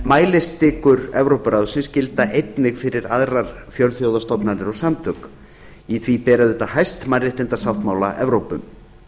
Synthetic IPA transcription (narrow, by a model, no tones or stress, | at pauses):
maːjlɪst̪ːɪːkʏɾɛvɾowpʏɾaːwðsɛmscɪlt̪aʔejt̪nɪɣfɪɾɪɾaðraɾ̥fjœlθjowðast̪ɔpnaɾɪɾɔsamt̪ʏk | iθvipɛːɾaðʏt̪aɦajst̪marɪht̪ɪnt̪asawht̪maːwlaʔɛvɾowpʏm